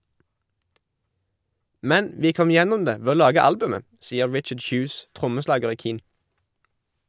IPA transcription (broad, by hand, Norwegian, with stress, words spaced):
ˈmɛn ˈʋiː ˈkɔm ˈjɛnʊm ˈdeː ˈʋeː ˈoː ˈlɑːɡə ˈɑlbʉmə ˈsiːə ˈɹɪt͡ʃəɖ ˈçʉːs ˈtʁʊməˌslɑːɡəʁ ˈiː ˈkiːn